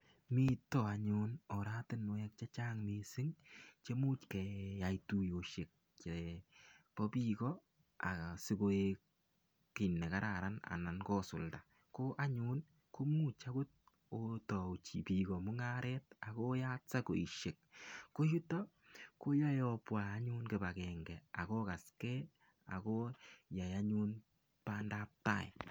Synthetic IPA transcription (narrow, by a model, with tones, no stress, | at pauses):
mi˦tɔ˨a˨ɲʊ˦nɔ˨ɾa˦tɪ˦nmʊ˨jɛ˦k̚t͡ʃa˦t͡ʃaː˦ŋmi˨sɪ˦ŋt͡ʃe˦mu˦t͡ʃkɛ˨ja˨itu˨jo˨ʃe˨k̚ | t͡ʃe˨pɔ˦pi˦kɔ˦ | a̰˨sɪ˦ko˦ek | kɪ˨nːɛ˨ka˦ɾa˨ɾa˦na̰˨na˨nkɔ˦sʊ̰˨lda˨ | ko˦ʔa˦ɲʊ˦n | ko˦mu˦t͡ʃa˦ku˦t̚ | o˦tɔ˨t͡ʃi˨pi˨kɔ˨mʊ˦ŋa˦ɾɛ˦ta˨ko˦ja˦t͡sa˦ko˨i˨ʃe˨k̚ko˦ju˦tɔ˦ | ko˦ja˦jɔ˦pwaː˨˦ɲu˦nke˨ba˨kɛ˨ŋɡɛ˨a̰˨ko˦ka˨skɛ˦ | a̰˨ko˦ja˨ja˦ɲu˦n | pa˦nda˦p̚ta̰˦˨ɪ̰˨